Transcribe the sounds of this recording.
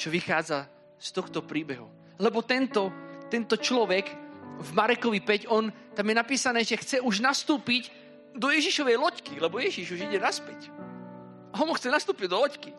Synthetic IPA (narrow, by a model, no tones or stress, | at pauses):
t͡ʃɔʋixaːd͡za | st̪ɔxt̪ɔpɾiːbɛɦu | lɛbɔt̪ɛnt̪ɔt̪ɛnt̪ɔt͡ʃlɔʋɛkvmaɾɛkɔʋipɛcɔn | t̪amjɛnapiːsanɛːʒɛxt͡sɛuʒnast̪uːpic | d̪ɔjɛʒiʃɔʋɛjlɔckilɛbɔjɛʒiʒuʒiɟɛnaspɛc | aɔnmuxt͡sɛnast̪uːpiɟd̪ɔlɔcki